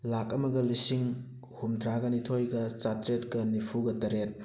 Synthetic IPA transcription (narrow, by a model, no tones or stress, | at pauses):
lakɐmɐɡɐlisiŋ | humdɾaɡɐnitʰojɡɐt͡ʃatɾet̚kɐnipʰuɡɐtɐɾet̚